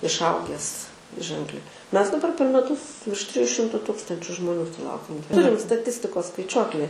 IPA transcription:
ɪʃˈɐʊɡʲɛs ˈʒʲɛŋklʲɛɪ ˈmʲɛs dɐˈbɐr pʲɛr mʲɛˈtʊs ʋʲɪrʃ ˈtʲrʲɪjuː ˈʃʲɪmtʊ ˈtʊkstɐnʲt͡ʃʲʊ ʒmoːˈnʲuː sʊˈlˠɐʊkʲɛm ˈtʊrʲɪm stɐˈtʲɪsʲtʲɪkoːs skɐɪˈt͡ʃʲuɔklʲɪ

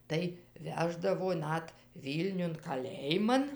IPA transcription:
tɐɪ ˈʋʲæːʒdɐʋoː ˈnɐt ˈʋʲiːlʲnʲʊn kɐˈlʲeːjɪmɐn

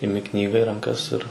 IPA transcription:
ɪˈmʲɪ ˈknʲiːɡɐ iː rɐŋˈkɐs ɪr

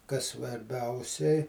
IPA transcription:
kɐs sʋɐrʲˈbʲɛʊsʲɛɪ

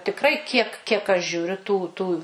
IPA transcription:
tʲɪkˈrɐɪ kʲiɛk kʲiɛk ɐʃ ʒʲuːˈrʲʊ tuː ˈtuː

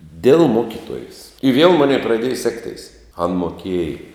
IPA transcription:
dʲeːlˠ ˈmoːkʲɪtuɔjeːs ɪ ʋʲiɛlˠ ˈmoːnʲɛɪ prɐˈdʲeːjɛ ˈsʲæːktʲɛɪs ɐn moːˈkʲiɛj

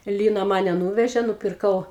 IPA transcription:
ˈlʲiːnɐ ˈmɑːnʲɛ ˈnuːʋʲɛʒʲeː nʊpʲɪrˈkɐʊ

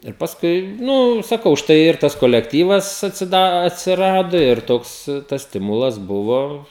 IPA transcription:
ɪr pɐsˈkʊɪ ˈnʊ sɐˈkɐʊ ˈʃtɐɪ ɪr ˈtɐs koːlʲɛkˈtʲiːʋɐs ɐtʲsʲɪˈdɐ ɐtʲsʲɪˈrɑːdoː ˈɪr ˈtoːks tɐs ˈsʲtʲɪmʊlˠɐs ˈbʊʋoː

